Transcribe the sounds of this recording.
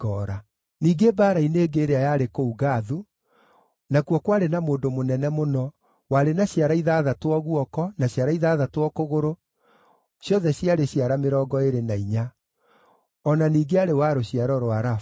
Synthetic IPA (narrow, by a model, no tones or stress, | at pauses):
ɔɾa | niːɡebaːɾaineːɡeɾeajaɾekouɣaðu | nakwɔkwaɾenamoːndomonɛnɛmonɔ | waɾenaɕjaɾaiðaðatwɔɣuɔkɔnaɕjaɾaiðaːðatwɔkoɣoɾo | ɕjɔðɛɕjaɾeɕjaɾameɾɔːɡɔeɾenaiɲa | ɔnaniːɡeaɾewaɾoɕjaɾɔɾwaɾa